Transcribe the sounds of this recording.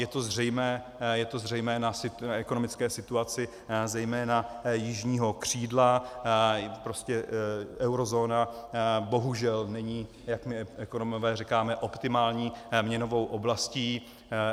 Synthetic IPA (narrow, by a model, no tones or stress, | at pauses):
jɛt̪o̞zr̝ɛjmɛː | jɛt̪o̞zrɛjmɛːnasɪɛkonomɪt͡skɛːsɪt̪uat͡sɪ | zɛjmɛːnajɪʒɲiːɦo̞kr̝̥iːdla | pɾo̞scɛɛwɾozo̞ːnabo̞ɦuʒɛlnɛɲiː | jakmɪɛkonomovɛːrɛkaːmɛʔo̞pt̪ɪmaːlɲiːmɲɛno̞vo̞wʔo̞blasciː